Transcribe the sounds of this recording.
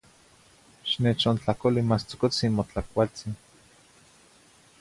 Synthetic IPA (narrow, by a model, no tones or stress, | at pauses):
ʃnet͡ʃont͡ɬakolimast͡so̥kot͡sinmot͡ɬakʷalt͡sin